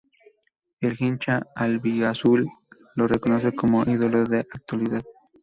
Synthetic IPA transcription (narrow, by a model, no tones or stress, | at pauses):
elxint͡ʃaalbiasulː | orekonos̬ekomoʔiðoloðeʔak̚t̪waliðað